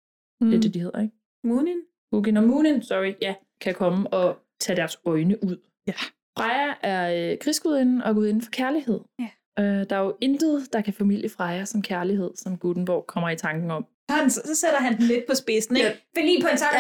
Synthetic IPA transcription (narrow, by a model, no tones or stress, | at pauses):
d̥e̝ɐd̥e̝d̥ihe̝ð̞̰ˠɐeɡ̥ | munin̥ | uɡenmuːninsɒʁijæ | kʰækʰɒ̽məɒ̽ | t͡sʰɛd̥æɐsɒ̽ɪnəʔuð̰ˠ | fʁɑɪɐʔæɐkʰʁisɡ̥uð̰ˠe̝nn̩ɒ̽ɡ̥uð̰ˠe̝n̩fɒ̥̽kʰæɐlihe̝ð̞̰ˠ | ød̥ɑ̈æjoʔe̝nd̥əðˠd̥ɑ̈kʰæfæmil̰jəfʁɑ̈ɪɐsɒ̽mkʰæɐliɦe̝ð̞̰ˠsɒ̽mɡ̥ud̥n̩b̥ɒʊ̰kʰɒ̽m̰ɐit͡sʰɑ̈ŋɡ̥n̩ɒ̽m̰ | ɒssɒ̽seɾ̥ɐɦænd̥n̩le̝d̥̚pʰɒ̽sb̥e̝sn̩e̥felḭːpʰɒensʰɑ